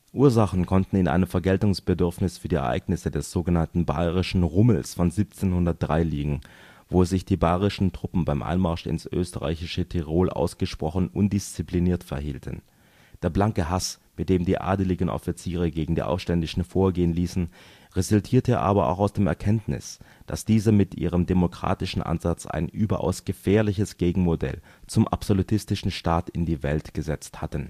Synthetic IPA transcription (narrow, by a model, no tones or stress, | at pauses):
ʔuːɐzaχn̩kʰɔntn̩ɪnʔa̰ɪnəmfɛɐɡɛltʊŋsb̥ədʏɐfnɪsfyːɐdiːɛɐʔa̰ɪɡnɪsədɛsz̥oːɡənantn̩ba̰ɪʁɪʃn̩ʁʊml̩sfɔnziːp̚t͡seːnhʊndɐt̚d̥ʁaɪliːɡŋ̩ | voːsz̥ɪçd̥iːbaɪʁɪʃn̩tʁ̥ʊpm̩baɪmʔa̰ɪnmaɐʃɪ̰nsʔø̰ːstəʁa̰ɪçɪʃətʰiʁoːlʔa̰ʊsɡ̥əʃpʁ̥ɔχnʔʊndɪst͡sipliniːɐtfɛɐhḭːltʰən̩ | d̥eːɐblaŋkəɦas | mɪt̚d̥eːmdiːʔa̰ːdəlɪɡən̩ʔɔ̰fit͡siːʁəɡeːɡŋ̩dḭːʔa̰ʊfʃtɛndɪʃn̩foːɐɡeːənliːsn̩ | ʁezʊltʰiːɐtʰəʔa̰ːbɐa̰ʊxaʊsd̥eːmɛ̰ɐkʰɛntnɪ̰sd̥asd̥iːzəmɪtʔiːʁ̞əmdemokʁ̥a̰ːtɪʃn̩ʔa̰nzat͡sa̰ɪnʔyːbɐʔa̰ʊsɡ̥əfɛːɐlɪçəsɡ̥eːɡŋ̩modɛ̰l | t͡sʊmʔa̰pz̥olutʰɪstɪʃn̩ʃtaːtɪndiːvɛltɡ̥əzɛt͡sthatən̩